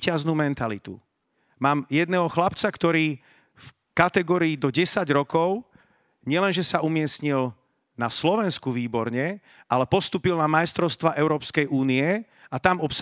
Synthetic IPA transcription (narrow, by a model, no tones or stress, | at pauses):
caznuːmɛnt̪alḭt̪ṵ | maːmjɛd̪nɛːɦɔxlapt͡sakt̪ɔɾiː | f | kat̪ɛɡɔːɾiːd̪ɔɟɛsaɟɾɔkɔʊ | ɲɪɛlɛnʒɛsaumɪɛsɲil | naslɔʋɛnskuʋiːbɔɾɲɛ | ʔalɛpɔst̪uːpilnamajst̪ɾɔʊst̪ʋaʔɛʊɾɔːpskɛjʔuːniɛ | at̪amɔps